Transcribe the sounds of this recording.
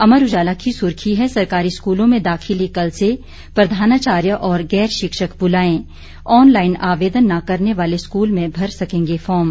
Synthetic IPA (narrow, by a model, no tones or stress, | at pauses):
ɐməɾʊd͡ʒaːlakisʊɾkʰiɦɛsɐɾkaːɾiskuːlõmẽd̪aːxʰɪlikɐlse | pɾɐd̪ʱaːnaːt͡ʃaːɾjəʔɔːɾɡɛːɾʃɪkʃəkbʊlaːẽː | ɔːnlaːɪnaːʋeːd̪ənːakɐɾneʋaːleskuːlmẽbʱɐɾsɐkẽːŋɡefɔːɾm